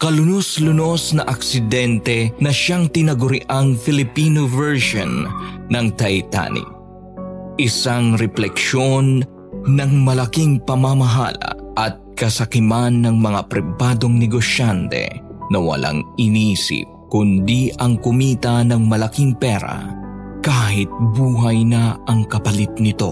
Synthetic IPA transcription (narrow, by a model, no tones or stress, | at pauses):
kɐlʊnoslʊno̞snɐʔɐksɪd̪ɛnt̪ɛnɐʃaŋt̪ɪnɐɡʊɾɪʔaŋfɪlɪpiːnovɛɹʃonːɐŋt̪ɐjt̪a̰nḭ | ʔɪsaŋɾɛplɛkʃonː | ɐŋmɐlɐkiŋpɐmamɐɦa̰lɐ̰ʔɐt̪̚kɐsɐkɪmanːɐŋmɐŋapɾɪbaːd̪o̞ŋnɛɡosjant̪ɛ̰nɐwɐ̰lʔa̰ŋɪnisɪ̰p̚kʊnd̪iʔɐŋkʊmiːt̪ɐnɐŋmɐlɐkiŋpɛɾa̰kaːɦɪt̪̚buːɦɐjnɐɐŋkɐpɐlɪt̪̚nɪt̪o̞